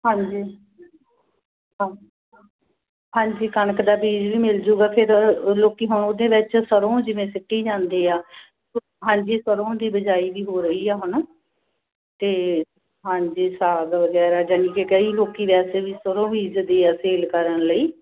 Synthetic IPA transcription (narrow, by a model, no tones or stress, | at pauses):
ɦãːɲd͡ʒiː | ɦãːɲd͡ʒiːkənəkd̪aːbiːd͡ʒʋiːmɪld͡ʒuːɡaːpʰɪɾloːkiːɦʊɳʊd̪ẽːʋɪt͡ʃsəɾõːd͡ʒɪʋẽːsɪʈːiːd͡ʒãːnd̪eːaː | ɦãːɲd͡ʒiːsəɾõːd̪iːbəd͡ʒaːiːʋiːɦoːɾəiːaːɦʊɳ | t̪eː | ɦãːɲd͡ʒiːsaːld̪aːʋəɡɛːɾaːd͡ʒənĩːkekəiːloːkiːʋɛːseːʋiːsəɾõːbiːd͡ʒd̪eːaːseːlkəɾənləiː